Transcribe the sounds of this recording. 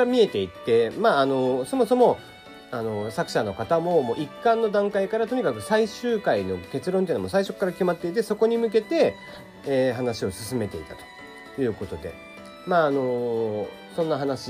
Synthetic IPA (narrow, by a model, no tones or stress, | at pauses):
ɾamʲie̞t̪e̞it̪ːe̞maːno̞so̞mo̞so̞mo̞ | ano̞sakɯ̟ɕano̞kat̪amo̞mo̞ʔikːãnːo̞d̪ãŋkaikaɾat̪o̞ɲ̟ikakɯ̟saiɕɨːkaino̞̰k̪e̞t͡sɨɾõ̞nt̪einmosaiɕo̞kːaɾakʲimat̪ːe̞it̪̬e̞so̞ko̞ɲ̟imɯ̟k̬e̞t̪e̞ː | ɦanaɕio̞sɨsɨme̞t̪e̞it̪at̪o̥ | jɯ̟ːko̞t̪o̞d̪e̞̰ | maːno̞ | sõ̞nːaɦanaɕi